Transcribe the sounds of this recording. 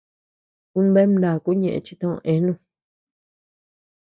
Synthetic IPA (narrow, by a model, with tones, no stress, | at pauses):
kũ˧˦n˦be˦mnã˨ku˦ɲẽ˨ʔḛ̃˧t͡ʃi˧t̪õ˦˧õ̰˧ʔẽ˧˦nũ˧